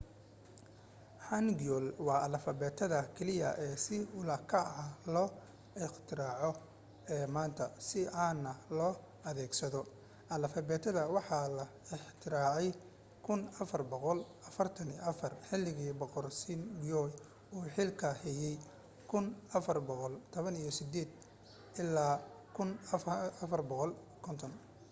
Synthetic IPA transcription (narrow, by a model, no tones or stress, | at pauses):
ħanɡɔlwɑːʔɐlɐfɐβɛːt̪ʰɐðɐkʰɛlɪjɐ̰ʔɛːsɪʊlaːkʰɐlɔː | ɪħt̪ʰɪɾaːʕɔ | ɛːmaːnt̪ʰɐsɪʔaːnːɐlɔː | ɐðɛːɡsɐðɔ | ʔɐlɐfɐβɛːt̪ʰɐðɐwɑħɑlɐ | ɪħt̪ʰɪɾaːʕɛj | kʰʊnɐfɐrbɔqɔlʔɐfɐrt̪ʰɐniːʔɐfɐrħɪlːɪɣiːbɔqɔrsinbɔj | uːħɪlkʰɐhɛjɛj | kʰʊnɐfɐrbɔqɔlt̪ʰɔβɐnijɞsɪd̪ɛːd̪ | ʔɪlaː | kʰʊnɐfɐrbɔqɔl | kʰɔnt̪ʰɔn